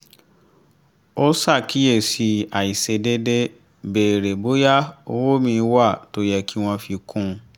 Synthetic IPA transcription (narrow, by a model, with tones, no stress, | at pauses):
o˦sa˦˨kʰi˨˦je˦˨si˧˦a˨i˨se˧de˦de˦ | beː˨ɾe˨bo˦ja˦o˧˦wo˦mĩ˧˦wa˦˨to˨˦jɛ˨ki˦w̃ɔ̃˦fi˧kʰũ˦